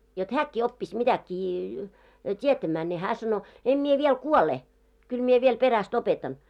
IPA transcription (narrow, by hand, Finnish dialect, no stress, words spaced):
jot hæːkːiː opːis mitækˑiː tʲietæmæː ne hæː sɑno em mie ʋiel kuole kyl mie ʋiel peræst opetɑn